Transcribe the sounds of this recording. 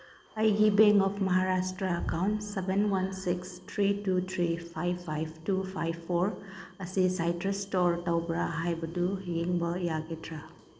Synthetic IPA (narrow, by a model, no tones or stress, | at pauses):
ɐjɡibeŋkɔpʰmɐɦaɾastɾɐːkawntsebenwansikstʰɾitut̪ʰɾipʰajpʰːajbtupʰajbʰoɾɐsisajtɾestɔɾtawbɾaɦajbɐdujiŋbɐjaɡitʰɾa